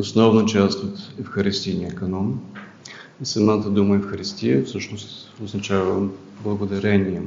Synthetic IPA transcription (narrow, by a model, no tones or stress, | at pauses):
osnɔvnət͡ʃast̪ot̪ɛfxɐɾɛst̪ijnʲiəkɐnɔm | isɐmat̪əd̪uməɛfxɐɾist̪ʲijəfsɤʃnost̪ | oznɐt͡ʃavə | blˠəɡʊd̪ɐɾɛnʲiɛ